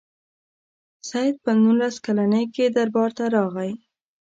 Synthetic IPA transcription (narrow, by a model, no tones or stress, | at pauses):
sajd̪̚pənunlaskalanəjked̪aɾbɑɾt̪aɾɑɣaj